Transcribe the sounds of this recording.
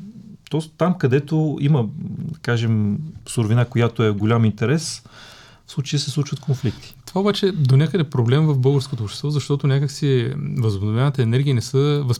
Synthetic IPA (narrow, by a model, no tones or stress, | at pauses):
t̪ɔst̪amkɐd̪ɛt̪oiməd̪ɐkaʒɛmsʊɾvinakojat̪oɛɡolʲamint̪ɛɾɛs | fslˠut͡ʃəjisɛslˠut͡ʃvət̪kʰonflikt̪i̥t̪ovaobat͡ʃɛd̪onʲakəd̪əfpɾoblɛmvɐfbɤlˠɡəɾskot̪oːpʃt̪ɛst̪vɔzɐʃt̪ɔt̪ʊnʲakəksivəzʊbnovʲjanət̪əːnɛɾɡʲiinɛsəvɐs